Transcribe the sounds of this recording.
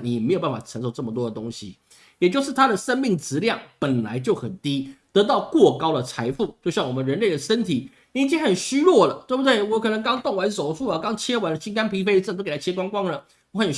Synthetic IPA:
ni˨˥jɛ˨˩me˧˥ɪjo˨˩pa˥˩fa˨˩ʈ͡ʂʰə˧˥nʂo˧˩ʊʈ͡ʂə˥˩mə˩t̪wɔ˥d̪ə˨t̪ʊ˥ŋɕi˨ | jɛ˨˩t͡ɕjo˥˧ʊʂɻ̩˥˩t̪ʰa˥d̪ə˨ʂə˥nmi˥˩ŋt͡sɹ̩˧˥ljɑ˥˩ŋpə˨˩nla̰˧˥ɪt͡ɕjo˥˩ʊxə˨˩nt̪i˦˥t̪ɤ˧˥t̪ɑ˥˧ʊkwɔ˥˨˩kɑ˥ʊd̪ə˨t͡sʰa˧˥ɪfu˥˩t͡ɕjʊɕjɑ˥˩ŋwɔ˨˩mə˦nɻə˧˥nle˥˩ɪd̪ə˩ʂə˥nt̪ʰi˨˩˦ | i˥t͡ɕi˥ŋxə˨˩nɕy˥ɻwɔ˥˩lə˩t̪we˥˩bu˩d̪we˥˩ɪwɔ˧˦˥kʰɤ˨˩nə˧˥ŋkɑ˥ŋt̪o˥˩ŋwa˧˥nso˨˩ʊʂu˥˩lə˨˩kɑ˥ŋt͡ɕʰjɛ˥wa˧˥nlə˧˩t͡ɕʰi˥ŋka˥npʰi˧˥fe˥ɪə˥˩t̪o˥k̪ʰa˥t͡ɕʰjɛ˥kwɑ˥ŋkwɑ˥ŋlə˨ | wɔ˧˥xə˨˩n

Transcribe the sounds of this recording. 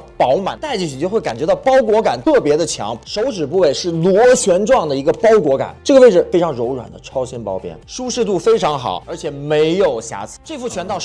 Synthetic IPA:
pɑ˧˥ʊma̰˨˩nt̪a˥˧ɪt͡ɕi˥˩ɕy˨˩t͡ɕjxwe˥˩ɪka˨˩nt͡ɕɥɛ˧˥t̪ɑ˥˩ʊpɑ˥ʊkwɔ˧˥ka˨˩nt̪ʰɤ˥˩pjɛ˧˥d̪ə˧t͡ɕʰjɑ̰˧˥ŋʂo˧˥ʊʈ͡ʂɻ̩˨˩p̬u˥˧we˥˩ɪʂɻ̩˥˩lwɔ˧˥t͡ɕʰɥɛ˧˥nʈ͡ʂwɑ˥˩ŋd̪ə˩i˧˥ɡə˧pɑ˥ʊkwɔ˧˥ka̰˨˩˦nʈ͡ʂɤ˥˩ɡə˩we˥˩ɪʈ͡ʂɻ̩˨˩fe˥ɪʈ͡ʂʰɑ˧˥ŋɻo˧˥ʊɻwa̰˨˩nd̪ə̰˦ʈ͡ʂʰɑ˥ʊɕɛ˥npɑ˥ʊpjɛ̰˥nʂu˥ʂɻ̩˥˧t̪u˥˩fe˥ɪʈ͡ʂʰɑ˧˥ŋxɑ̰˨˩˦ʊə˞˧˥t͡ɕʰjɛ˨˩me˧˥ɪjo˨˩ʊɕja̰˧˥t͡sʰɹ̩̥˥ʈ͡ʂɤ˥˧fu˥˩t͡ɕʰɥɛ˧˥nt̪ɑ˥˧ʊ

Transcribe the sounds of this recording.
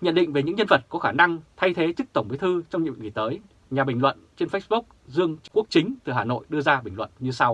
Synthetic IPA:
ɲə̰˧˨nɗḭ˧˨ŋ̟ve˨˩ɲɨ̰˧˥ŋɲə˧nvə˨˩t̚kɔ˨˦xaː˧˩na˧ŋt̪ʰa˧jt̪ʰe˨˦t͡ɕɨ˦˥k̚t̪ə˧˩wŋ͡mɓi˨˦t̪ʰɨ˧t͡ɕɔ˧wŋ͡mɲ̰˧˨ŋi˨˩t̪əː˨˦j | ɲaː˨˩ɓï˨˩ŋ̟lwə̰˧˨nt͡ɕe˧nfə˦˥ɓu˦˥k͡p̚zɨ˧əŋkːu˦˥ək̚t͡ɕï˨˦ŋ̟t̪ɨ˨˩ɦaː˨˩no̰˧˨jɗɨ˧əzaː˧ɓï˨˩lwə̰˧˨nɲɨ˧sa˧w

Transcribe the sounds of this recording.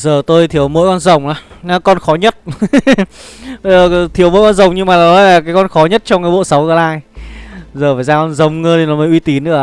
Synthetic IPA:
zəː˨˩t̪o˧jt̪ʰi˨˦əwmo̰˧˥jkɔ˧nzə˨˩wŋ͡mʔaː˨˦na˨˦kɔ˧nxɔ˨˦ɲə˦˥t̚ | ə˧zəː˨˩˨t̪ʰi˨˦əwmo̰˧˥jkɔ˧nzə˨˩wŋ͡mɲɨ˧ŋmaː˨˩laː˨˩nɔ˨˦laː˨˩kaː˨˦kɔ˧nxɔ˨˦ɲə˦˥t̚t͡ɕɔ˧wŋ͡mkaː˨˦ɓo̰˧˨sa˨˦wɣəː˧˩laː˧j | zəː˨˩vaː˨˩jzaː˧kɔ˧nzə˨˩wŋ͡mŋəː˧t̪i˨˩nɔ˨˦mə˨˦jʔwi˧t̪i˨˦nːɨ̰˧˥ə

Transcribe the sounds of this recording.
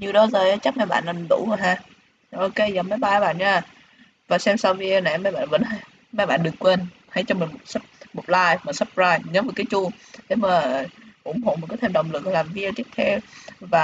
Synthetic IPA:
ɲi˨˩əwɗɔ˨˦zəː˨˩jʔaː˧˦t͡ɕa˦˥k̚mɛ̰˧˨jɓa̰ː˧˨nlaː˨˩˨ɗṵ˧˩əː˨˩jɦaː˧˩ | ʔo˧ke˧zə˨˩ma˨˦jɓaː˧˩˨ɓa̰ː˧˨nɲaː˧˩ | vaː˨˩sɛ˧msa˧wvi˧˩na˧˨˩mɛ˧˨jɓa̰ː˧˨nvə̰˧˥nɦa˧j | mɛ̰˧˨jɓa̰ː˧˨nɗɨ˨˩ə˩kːwe˧n | ha˧˩jt͡ɕɔ˧mï˨˩ŋmo˨˩t̚sp̚mo˨˩t̚laː˧jma˨˩sə˦˥p̚zaː˧jɲə˨˦məː˨˩kaː˨˦jt͡ɕu˧ | ɗe˨˦maː˨˩˨ʔʊ˧˩ŋ͡mho̰˧˨m˨˩t̚kaː˨˦t̪ʰːɗə˨˩wŋ͡mlɨ˨˩k̚ːlaː˨˩mvi˧ət͡ɕ̪i˦˥ək̚t̪ʰɛ˧wvaː˨˩

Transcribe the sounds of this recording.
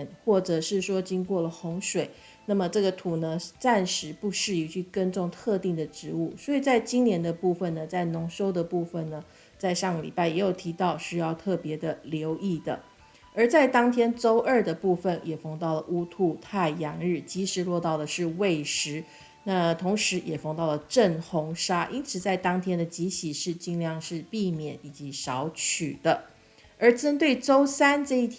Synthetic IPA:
nxwɔ˥˩ʈ͡ʂɤ˨˩ʂɻ̩˥˩ʂwɔ˥t͡ɕi˥ŋkwɔ˥˩lə˩xʊ˧˥ŋʂwe˨˩˦ɪ | na˥˩mə˩ʈ͡ʂɤ˥˩ɡə˩t̪ʰu˨˩nə˦t͡sa˥˩nʂɻ̩˧˥pu˥˧ʂɻ̩˥˩i˨˧˩t͡ɕʰy˥˩kə˥nʈ͡ʂʊ˥˧ŋt̪ʰɤ˥˧t̪i˥˩ŋd̪ə˩ʈ͡ʂɻ̩˧˥u˥˩swɔ˧˥i˨˩t͡sa˥˩ɪt͡ɕi˥ŋnjɛ˧˥nd̪ə˧pu˥˧˩fə˨˩nnə˩t͡sa˥˩ɪnʊ˧˥ŋʂo˥ʊd̪ə˨pu˥˩fə˨˩nnə˩ | t͡sa˥˧ɪʂɑ˥˩ŋɡə˨˩lḭ˨˩pa˥˩ɪjɛ˧˥jo˨˩ʊt̪ʰi˧˥t̪ɑ˥˧ʊɕy˥˧jɑ˥˧ʊt̪ʰɤ˥˩pjɛ˧˥d̪ə˧ljo˧˥ʊʔi˥˩d̪ə̰˩ | ə˧˥t͡sa˥˩ɪt̪ɑ˥ŋt̪ʰjɛ˥nʈ͡ʂo˥ʊʔə˞˥˩d̪ə˩pu˥˩fə˩njɛ˨˩fɑ˥˧ŋt̪ɑ˥˩ʊlə˩ʔu˥t̪ʰu˥˧t̪ʰa˥˩ɪjɑ˧˥ŋɻɻ̩˥˩t͡ɕi˧˥ʂɻ̩˧˥lwɔ˥˧t̪ɑ˥˩ʊd̪ə˩ʂɻ̩˥˧we˥˩ɪʂɻ̩˧˥ | na˥˩t̪ʰʊ˧˥ŋʂɻ̩˧˥jɛ˨˩fɑ˥˧ŋt̪ɑ˥˩ʊlə˩ʈ͡ʂə˥˩nxʊ˧˥ŋʂa˥ʔi˥nt͡sʰɹ̩˨˩t͡sa˥˩ɪt̪ɑ˥ŋt̪ʰjɛ˥nd̪ə˨t͡ɕi˧˥ɕi˨˩ʂɻ̩˥˩t͡ɕi˥˧ŋljɑ˥˧ŋʂɻ̩˥˧pi˥˩mjɛ˨˦ni˨˩t͡ɕi˧˥ɕɑ˧˥ʊt͡ɕʰy˨˩d̪̥ə˦ | ə˞˧˥ʈ͡ʂə˥nt̪we˥˩ɪʈ͡ʂo˥ʊsa˥nʈ͡ʂɤ˥˧i˥˩t̪ʰ

